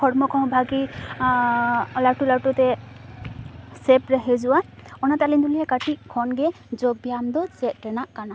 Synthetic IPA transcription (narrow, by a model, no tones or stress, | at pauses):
kʰɔɹmɔkʰɔɦbʱaɡi | ɔlatulatɔtɛ | sɛpɹaɦɛzʊwaɔnatalinduliɦɛkatikʰɔnɡɛ | zɔɡ̚bijamd̪ɔsɛt̚ɹɛnaʔkana